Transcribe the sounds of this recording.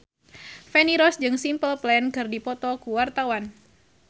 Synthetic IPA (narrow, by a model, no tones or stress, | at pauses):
fɛniɾɔsd͡ʒɨŋsimpəlplɛnkɨrdipɔt̪ɔkuwart̪awan